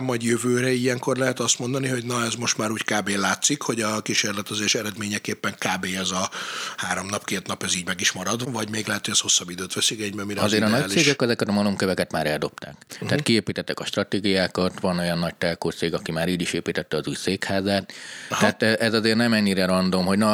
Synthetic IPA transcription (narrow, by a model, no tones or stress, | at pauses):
mːɒɟjøvøːɾɛijɛŋko̞rlɛɦɛt̪ɒst̪mo̞nd̪ɒniɦo̞ɟnɒɛzmo̞ʃt̪maːɾuːckaːbeːlaːt̪sikho̞ɟɒkiʃeːrlɛt̪ɒzeːɾʃɛɾɛd̪meːɲɛkeːpːɛŋkaːbeːɛzɒhaːɾo̞mnɒpkeːt̪nɒpɛziːɟmɛɡiʃmɒɾɒd̪vɒɟmeːɡlɛɦɛt̪hoɟɛsho̞sːɒbid̪øːt̪ʋɛsikɛɟbɛmiɾɒzeːɾɒnɒclieːʃɡɛkɛzɛkɛt̪ɒmɒlomkøvɛkɛt̪maːɾɛld̪o̞pt̪a̰ːkt̪ɛaːt̪kieːpiːt̪ɛt̪ːɛkɒʃt̪rɒt̪eːɡijaːkɒt̪ʋɒno̞jɒnːɒɟ̚t̪ɛlkoːt̪seːɡɒkimaːɾiːɟiʃeːpiːt̪ɛt̪ːɛɒzuːjseːkhaːzaːt̪t̪aːt̪ɛʔɛzɒzeːrnɛmɛɲːiɾɛɾɒnd̪o̞mɦo̞ɟnɒ